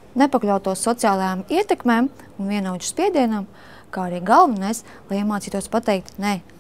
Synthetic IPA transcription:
nepaklʲawt̪uɔsːɔt̪siaːlˠajamiɛt̪ɛkmeːmunvʲiɛnuwt͡ʃu̥spʲiɛd̪iɛnam | kaːaɾiːɡalˠvanajs | lˠajimaːt̪iːt̪uɔspat̪ɛjk̚t̪nɛ

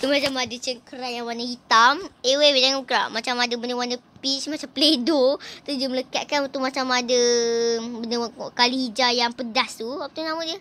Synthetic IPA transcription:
t̪umat͡ʃamadət͡ʃəkəɾajaŋwanahit̪amewewedaŋɔkɾa̰mat͡ʃamadəbəndəwanəpismat͡ʃampəledot̪udiəmələkat̪̚kanunt̪uʔmat͡ʃamadə | bənəkalihid͡ʒajaŋpədast̪uwapat̪unamuʔdiə

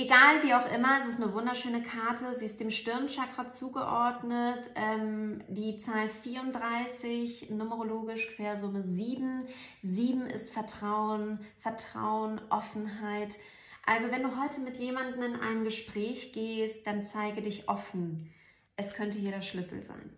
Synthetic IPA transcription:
ʔeɡaːlviːaʊxʔɪmɐɛs̬ɪstnəvʊndɐʃøːnəkʰaɐtʰəziːɪst̚d̥eːmʃtɪɐnʃakʁ̥ɐt͡suːɡəʔɔɐdnətʔɛːmd̥iːt͡saːlfiːɐʊntdʁaɪsɪçnʊməʁoloːɡɪʃkʰv̥eːɐzʊməziːbm̩ziːbm̩ɪ̰stfɛɐtʁ̥aʊənfɛɐtʁ̥a̰ʊənʔɔfn̩ɦaɪt | ʔalzovɛnduːɦɔʏtʰəmɪtjeːmandn̩ɪnʔa̰ɪnɡəʃpʁ̥ɛːçɡ̥eːst̚d̥ant͡saɪɡədɪçʔɔfn̩ | ʔɛskʰœntəheɐɾɛɐʃlʏsl̩za̰ɪn

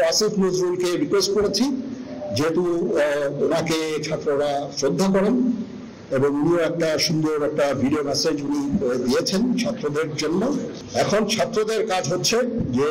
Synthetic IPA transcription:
asifʰnod͡ʑɾuɾkeɾikwesʈkoɾet͡ɕʰi | d͡ʑeɦeʈu | onaket͡ɕʰat̪ːɾoɾasɾod̪ʱːakɔɾen | eboŋunioɛk̚ʈaʃund̪oɾɛk̚ʈabʱiɖiomɛsed͡ʑunikoed̪ijet͡ɕʰent͡ɕʰat̪ːɾod̪eɾd͡ʑonːo | ɛkʰont͡ɕʰat̪ːɾod̪eɾkad͡ʑɦotːɕʰed͡ʑe

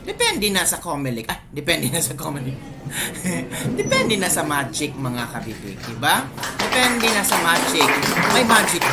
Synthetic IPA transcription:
d̪ɛpɛnd̪ɛnɐsɐkomɛlɪkʔajd̪ɛpɛnd̪ɛnasɐkomɛlɪk̚ | d̪ɛpɛnd̪ɛnɐsɐmaːd͡ʒɪk̚mɐŋakɐbiːbɪ̰k̚d̪ɪbad̪̥ɛpɛnd̪ɛnɐsɐmad͡ʒɪk̚mɐjmad͡ʒɪk̚

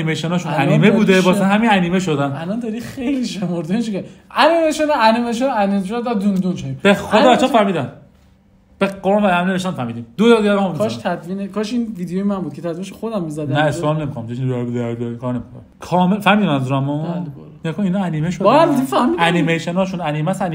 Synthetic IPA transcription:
imejʃenɒːʃunænimebuːd̪ebɒːsænhæminænimeʃod̪ænælɔnd̪ɒɾixejliʃemoɾd̪ent͡ʃʰikɔɾiænimejʃonænimeʃ̬onænieʃ̬ond̪æd̪und̪unt͡ʃʰɔibexod̪ɒːbæt͡ʃʰːɔːfæɾmiːd̪æm | b̥eqoɾmvææmneveʃt̪ænfæɾmiːd̪iːmd̪oj̪ɒd̪iæɾamnkʰɔʃt̪ʰæd̪viːnekʰɒʃinviːd̪ejojemænbud̪kʰe̞t̪ʰæd̪vineʃoxod̪æmːizæd̪næesɾɔmnemikʰonæmʰeʃinɾɾbud̪eæɾd̪ɔɾikʰɔːɾnemiko̰nækʰɒːmelfæɾhmid̪imænzuɾæmɔl | kʰominɒænimeʃobaid̪ifæhmidænnimejʃenɒːʃunæniːmæsæni

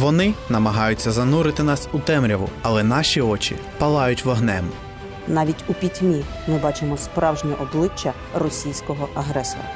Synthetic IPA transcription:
ʋɔnɪnɐmɐɦɑjʊt͡sʲːɐzɐnuɾɪt̪ɪnɑsut̪ɛmɾʲɐʋʊ̰ɐlˠɛnɑʃʲiɔt͡ʃḭ | pɐlˠɑjʊtʲʋɔɦnɛm | nɑʋʲitʲupʲitʲmʲi | mɪbɑt͡ʃɪmɔspɾɑwʒnʲɛʔɔblˠɪt͡ʃːɐ | rɔsʲijsʲkɔɦɔʔɐɦɾɛsɔ̰ɾɐ̰

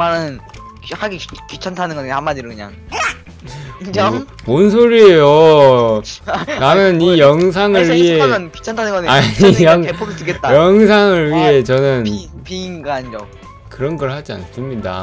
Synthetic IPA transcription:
manɯn | khaɡikit͡ɕʰʌntʰanɯnɡʌnehamːadiɾɯkɯɲa̰ŋ | monsʰoɾiejo | namjʌnijʌŋs̬ʰaŋɯɭɥiɦeɯnki̥t͡ɕʰʌntʰanɯnɡʌneaiʌŋepʰoɡitɯket͈ajʌŋsʰaŋɯɭɥiɦe̞t͡ɕʌnɯnpiŋɡaaɲid͡ʑʌ̰ | kɯɾʌnɡʌɾɭhad͡ʑia̰ns͈ɯmɲida̰

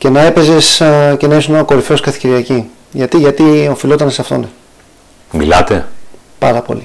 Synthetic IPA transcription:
ce̞nɐe̞pe̞ze̞sce̞nɐesunoko̞ɾifo̞skɐθi̥ceɾiɐci | ʝɐt̪iʝɐt̪io̞filo̞t̪ɐnesɐft̪o̞̰ne | mḭlɐt̪e̞ | pɐɾɐpo̞̰li

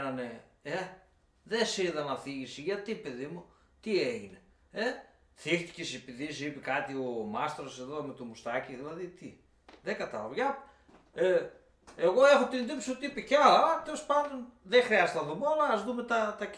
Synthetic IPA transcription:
nɐne | e | ðesiðɐnɐθiʝisiʝɐt̪ipe̞ðimu | t̪ieʝine | e | θixt̪i̥cesepiðisipikɐt̪iomɐst̪eɾose̞ðo̞me̞t̪omust̪ɐciðilɐðit̪i | ðeɡɐt̪ɐlɐ̰voʝɐ | e | eɣo̞e̞xot̪ind̪ipsot̪iipeceɐlɐlɐt̪elespɐnd̪onðexɾiɐzet̪ɐðumolɐːzðume̞t̪ɐt̪ɐ

